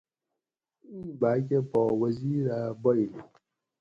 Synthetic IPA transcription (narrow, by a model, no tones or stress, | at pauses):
ibaːk̬ʲepɔwɐziːɾabɔjne